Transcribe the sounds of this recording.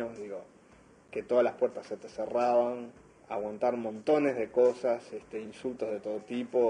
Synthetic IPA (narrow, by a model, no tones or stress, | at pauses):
oðiɣo̞ | ke̞t̪o̞ðalaspwe̞ɾt̪asːe̞t̪eseraβaŋ | a̰ɣwant̪aɾmõ̞nt̪o̞nezðe̞ko̞sasest̪einsult̪o̞zð̞et̪o̞ð̞ot̪ipo̞